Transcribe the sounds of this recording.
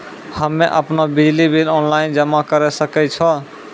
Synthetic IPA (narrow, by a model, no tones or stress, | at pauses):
həmːeʔəpnɔbid͡ʒlibelɔnlaɪnd͡ʒəmakəɾɛsəkɛt͡ʃʰɔ